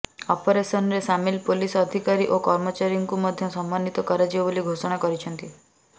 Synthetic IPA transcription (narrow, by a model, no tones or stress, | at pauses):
ɔpɔɾesɔnɔɾesamilpolisɔd̪ʱikaɾiʔokɔɾmɔt͡ʃaɾijɔŋkumɔd̪ʱjɔsɔmbanit̪ɔkɔɾad͡ʒibɔboliɡʱosɔɽ̃akɔɾit͡ʃʰɔnt̪i